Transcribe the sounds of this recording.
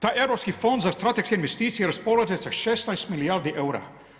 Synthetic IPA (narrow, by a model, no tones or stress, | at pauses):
t̪aʔɛwɾɔːpskiːfɔnd̪zast̪ɾat̪ɛkskʲɛinʋɛst̪iːt͡siɛɾɔspɔlad͡ʒɛsaʃɛsajsmiliaɾd̪iʔɛwɾa̰ː